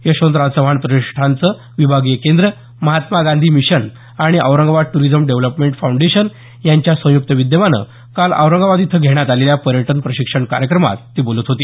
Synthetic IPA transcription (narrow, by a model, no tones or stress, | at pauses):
jeɕõnt̪ɾasəʋaɳpɾəiʂʈʰant͡sə | ʋibʱaɡijəkend̪ɾə | məɦat̪maɡãnd̪ʱiːmiɕən | aɽ̃iʔə̰ʋwɾəŋɡʋad̪̚ʈuɾid͡zəmɖeʋləpmeɳʈfawɳɖeɕən | jaɲt͡ɕjasə̃juk̚t̪əʋid̪jəʋanə̰ | kalə̰wɾəŋɡʋad̪it̪ʰəɡʱeɽ̃jat̪aleljapəɾjəʈənpɾəɕikʂəɳka̰ɾjəkɾəma̰t̪ːiːbolət̪ɦot̪iː